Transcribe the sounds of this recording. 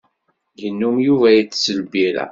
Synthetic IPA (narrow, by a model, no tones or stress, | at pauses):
jənːumjuvæjit͡sːsəlbiɾæ̰